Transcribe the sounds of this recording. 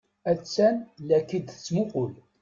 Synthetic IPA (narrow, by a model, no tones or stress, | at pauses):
æt͡sːænlækːid̪t͡sːmʊqʊl